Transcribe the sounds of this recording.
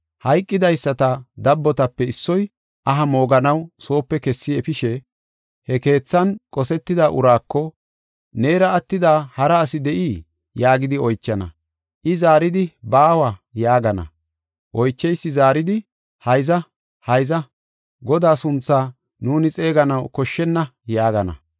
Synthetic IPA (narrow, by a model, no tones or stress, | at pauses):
hɐjkʼːɪd̪ɐjsːɐt̪ɐd̪ɐbːɔt̪ɐpːɛɪsːɔj | ʔɐɦɐmo̞ːɡɐnɐwso̞ːpːɛkɛsːɪɛfɪʃɛ | hɛke̞ːt͡sːɐnkʼɔsɛt̪ːɪd̪aːʔʊ̰ɾaːkːɔ | ne̞ːɾɐːt̪ːɪd̪aːhɐɾɐːsɪd̪ɛʔiː | jaːɡɪd̪ɪɔjt͡ʃːɐnɐ̰ | ʔɪzaːɾɪd̪ɪbaːwajaːɡɐnɐ̰ | ʔɔjt͡ʃːɛjsːɪzaːɾɪd̪ɪ | hɐjzɐ | hɐjzɐ | ɡɔd̪aːsʊnt͡sːaː | nuːnɪt͡sʼe̞ːɡɐnɐwkɔʃːɛnːɐjaːɡɐnɐ̰